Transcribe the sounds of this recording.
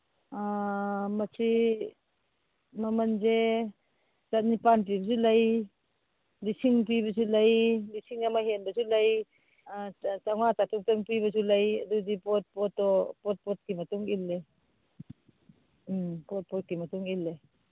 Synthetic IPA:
amasʰi | mamanze | tat̚nipanp̬ibasulaj | disiŋp̬ibas̬ulɐjdisiŋamaɦɛnbasulɐj | t͡saŋwat͡sat̪uŋpɛŋpibasulɐjad̪udipɔt̪̚pɔt̪ːɔpɔt̚pɔt̪̚kimatuŋʔilːɛ | pɔt̚pɔt̪̚kimat̪uŋilːɛ

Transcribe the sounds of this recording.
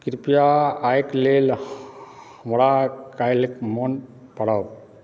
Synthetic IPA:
kiɾpijaːjklel | hmɽakajlikmon | pɐɽa

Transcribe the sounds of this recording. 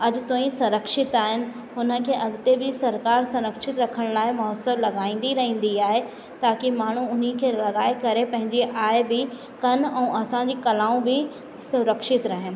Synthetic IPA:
ɐd͡ʑt̪õːĩsʊɾəkʃɪt̪aːɦɪnɪ̆ | ɦʊnə̆kʰeːʔɐɡt̪ebɪsɐɾkaːɾsʊɾəkʃɪt̪ɾɐkʰəɽ̃laːɪmɔɦəsəɾlɐɡaːĩːn̆d̪iɾɐɦĩːn̆d̪iaːɦe | t̪aːkimaːɳ̤uʊnikʰeːlɐɡaːekɐɾepɐ̃ɦɪ̃ɲd͡ʑiʔaːɪbɪ | kɐnɛ̃ːʔɐsãɲd͡ʑiːkɐlaːũbɪ | sʊɾəkʃɪt̪ɾɐɦɪnɪ̆

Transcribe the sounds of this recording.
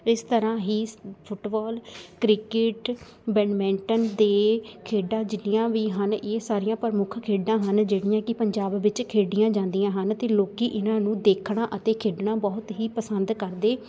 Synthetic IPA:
ɪst̪əɾãːɦiːpʰʊʈbɔːlkɾɪkɪʈ | bɛːnmɛ̃ːɳʈənd̪eːkʰeːɖãːd͡ʒɪnijãːʋiːɦənʔeːsaːɾɪjãːpəɾmʊkʰkʰeːɖãːɦənd͡ʒeːɽɪjãːkɪpəɲd͡ʒaːbʋɪt͡ʃkʰeːɖɪjãːd͡ʒãːnd̪ijãːɦənt̪eːloːkiːʔɪnãːnũːd̪eːkʰɽãːʔət̪eːkʰeːɖɳãːbɔːt̪ɦiːpəsənd̪kəɾd̪eː

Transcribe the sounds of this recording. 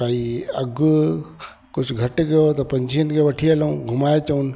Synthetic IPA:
aːiɐɡ | kʊt͡ʃʰɡʱɐʈɡɐjot̪ɐpɐ̃ɲd͡ʒʱijənkeʋɐʈʰielũɡʱʊmaːet͡ʃɐun

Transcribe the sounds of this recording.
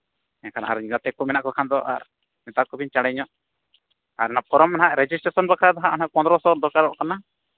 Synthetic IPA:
ɛnkʰana̰a̰ɾɡat̪ɛkɔmɛnaʔkɔkʰand̪ɔʔa̰ɾ | mɛt̪akɔbiɲt͡ʃaɽɛɲɔʔ | aɾnapɔɾɔmanɦaʔɾɛd͡ʒisʈɾasɔnbakʰad̪aɦaʔɔnaʔpɔ̃nd̪ɾɔsɔɾd̪ɔkaɾɔʔkana

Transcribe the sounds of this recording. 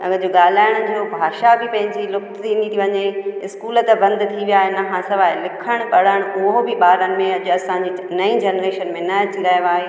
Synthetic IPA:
ɐ̰ɡəd͡ʑoɠaːl̤aːɪɽ̃ʊ̆d͡ʑoːbʱaːʃabɪpɐ̃ɦɪ̃ɲd͡ʑilʊk̚t̪ʰinit̪ʰiʋɐɲeɪskuːlə̆t̪ebɐ̃nd̪t̪ʰiʋijaːɦenɐɦãsɐʋaːelɪkʰəɽ̃pɐɽaɪɽ̃ʊɦobɪɓaːɾənɪ̆mẽɐʄʊɐsãɲd͡ʑiːnɐĩd͡ʑɛːnɾeːʃənmẽnɐɐt͡ɕiɾɐɦiʋaːɦeː

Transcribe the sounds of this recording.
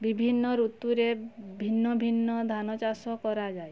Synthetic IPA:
bibʱinːɔɾut̪uɾebʱinːɔbʱinːɔd̪ʱanɔt͡ʃasɔkɔɾad͡ʒaj

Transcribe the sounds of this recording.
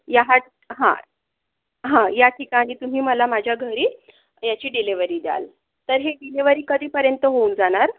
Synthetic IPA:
jaɦat̪̚ | ɦã̰ | ɦãjaʈʰikaːɽ̃it̪um̤iːməlamad͡ʑʱjaɡʱəɾiː | jat͡ɕiːɖiliʋəɾiːd̪ja̰l | t̪əɾɦeɖiliʋəɾiːkəd̪ʱiːpəɾjənt̪əɦound͡zaɽ̃aɾ

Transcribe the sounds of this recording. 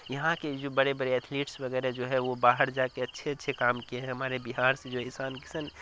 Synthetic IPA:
jɐɦãked͡ʒoːbɐɽebɐɽeɛːt̪ʰleːʈsʋɐɡɛːɾɛd͡ʒoːɦɛʋobaːɦəɾd͡ʒaːkeɐtːʃʰeɐtːʃʰekaːmkieɦɛ̃ɦɐmaːɾebiɦaːɾsed͡ʒoːɦɛɪsaːnkɪsən

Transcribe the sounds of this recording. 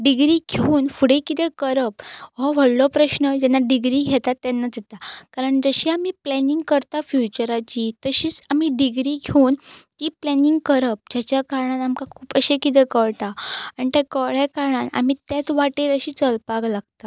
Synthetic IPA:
ɖiɡɾiɡʱeuːnfuɽekit̪ɛkəɾəp̚ɦɔʋəɽlɔpɾəɕnəd͡ʑɛnːaɖiɡɾiɡʱɛt̪at̪ːanːad͡zet̪akaɾəɳd͡zəɕiamiːplɛniŋɡkəɾt̪afjut͡ɕəɾat͡ɕiːt̪əɕiːt͡samiːɖiɡɾiːɡʱeunt̪iːplɛniŋɡkəɾəp̚d͡ʑjat͡ɕjakaɾɳanamkakʰuːpəɕekit̪̬ɛkəɭʈ̪aaɳit̪akəɭjakaɾɳana̰m̤iːt̪jat͡sʋaʈeləɕiːt͡səlpaɡlaɡ̚t̪a

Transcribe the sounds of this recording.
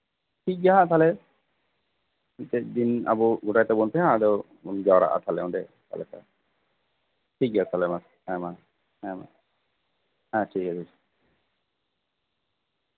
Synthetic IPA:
ʈʰik̚ɡaɦãt̪ʰalɛ | it̪ɛd̪ina̰bɔɡuʈajt̪ɛbɔnp̪ʰɛɦãd̪ɔ | unɡawɾa̰ʔa̰t̪ʰalɛɔ̃ɖɛka̰lɛka | ʈʰik̚ɡat̪ʰalɛmas | ɛ̃ma | ɛ̃ma̰ | ɦãʈʰikatʰi

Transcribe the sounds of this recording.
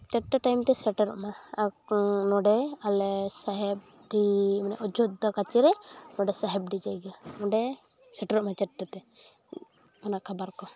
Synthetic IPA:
t͡ʃɛʈːɛʈajmt̪ɛsɛʈɛɾɔ̰ʔmaaknɔɖɛalɛsaɦɛb̚ | ɖimana̰ʔɔd͡ʒɔd̪ɔkat͡ʃɛɾɛnɔɖɛsaɦɛb̚ɖid͡ʒaɡanɔɖɛ | sɛʈɛɾɔʔmat͡ʃɛʈːɛt̪ɛ | ɔnaʔkʰabaɾkɔ

